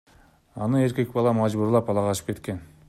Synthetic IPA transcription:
ɑnəe̞ɾkʲe̞k̚bɑlˠɑmɑʒbuɾlˠɑpɑlˠɑʁɑʃəp̚kʰʲet̪̚kʲe̞n

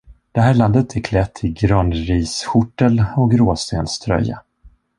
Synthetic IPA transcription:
d̪̥ɛɦæːɭand̪ət̪ʰæɾkʰlɛt̪ʰːɪɡɾœnɾiːsɧʊʈːəlɔk̚ɡɾoːst̪ḛːnst̪ʰɾœ̰jːa̰

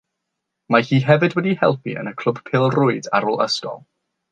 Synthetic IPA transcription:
mahiːɦɛvɨdwɛdihɛlˠpʰḭʔə̰nəkʰl̥ˠʊb̥pʰɪːlˠrʊɨda̰ɾoːlˠə̰stɔ̰lˠ

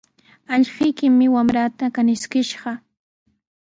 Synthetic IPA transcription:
aʎɢɪjkɪmːɪwamɾat̪akanɪskɪʃɢɑ

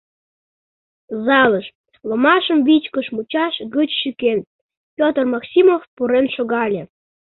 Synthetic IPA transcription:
zɑləʃ | lomɑʃəmβit͡ɕkəʃmut͡ɕɑʃɣət͡ɕʃyken | pʲjot̪ərmɑksʲimofpuɾenʃoɣɑlʲe

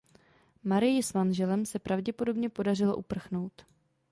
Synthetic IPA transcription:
maɾɪjɪsmanʒɛlɛmsɛpɾavɟɛpo̞do̞bɲɛpo̞darɪlo̞̰ʔupr̩xno̞wt̪

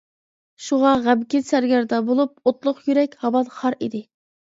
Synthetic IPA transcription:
ʃuʁɑʁæbkʲɪsæɾɡʲæɾd̪ɑbolˠup̚ot̪lˠʊqjyɾɛkʲhɑbɑt̪χɑɾid̪ɪ

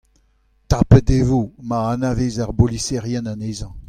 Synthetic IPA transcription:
t̪apətevomaanavezaʁbolisɛʁjɛnaneːzɑ̃

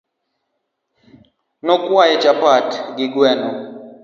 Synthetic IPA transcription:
nɔkʼwajɛd͡ʒapatɡiɡwɛːnɔ

